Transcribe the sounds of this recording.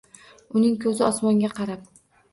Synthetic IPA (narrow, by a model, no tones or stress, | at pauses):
ʊnɪŋkʲʰɵzɪɒsmɒŋɡʲaqʰɑɾap̚